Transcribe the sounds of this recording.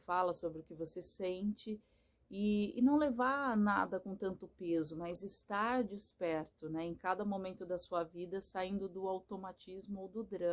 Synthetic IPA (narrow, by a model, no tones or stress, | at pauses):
falɐsobɾɪʊkɪvosesẽnt͡ʃɪ | ɪɪ̰nɐ̃w̃levaɾnad̪ɐkõt̪ɐ̃nt̪ʊpezʊmazɪst̪aɾd͡ʒispɛɾt̪ʊnɛẽkad̪ɐmomẽnt̪ʊd̪ɐsuɐvid̪ɐsaĩnd̪ʊd̪ʊawt̪omat͡ʃizmʊowd̪ʊd̪ɾɐ̃